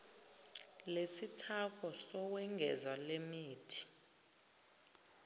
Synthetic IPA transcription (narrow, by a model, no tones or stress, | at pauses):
lesitʰakʰɔsɔk̬wɛŋɡʱɛzwalemiːtʰi̥